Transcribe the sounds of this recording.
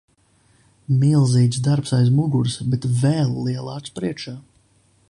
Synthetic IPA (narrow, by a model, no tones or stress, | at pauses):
milˠziːt̪sd̪aɾpsajzmuɡuɾsbet̪vɛːlˠliɛlˠaːt̪spɾiɛkʃaː